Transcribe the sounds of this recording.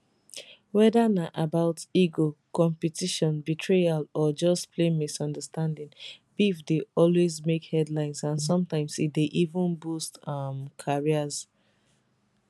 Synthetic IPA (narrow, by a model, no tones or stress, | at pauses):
wɛdanaʔabaʊtiɡokɔ̃mpitiʃɔ̃nbitʰɹealɔd͡ʒɔstpʰlẽmisɔ̃ndəstãndĩnb̥ifdeɔlwezmekhɛdlãɪ̃nsãnsɔ̃mtãɪ̃msit̚deʔivə̃nbustʌmkʰaɹiəz̥